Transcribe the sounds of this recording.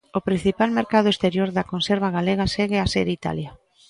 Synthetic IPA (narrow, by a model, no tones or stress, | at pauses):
opɾin̟θipalmeɾkað̞ʊest̪eɾjoɾðɐkonseɾβ̞aɣaleɣ̞aseɣɪaseɾit̪a̰lja